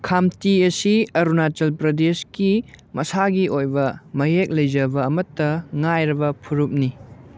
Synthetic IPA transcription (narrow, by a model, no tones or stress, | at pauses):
kʰamtiɐsiɐɾunat͡ʃɐlpɾɐdeskimɐsaɡiʔojbɐmɐjek̚lɐjd͡ʒɐbɐːmɐtːɐŋajɾɐbɐpʰuɾup̚ni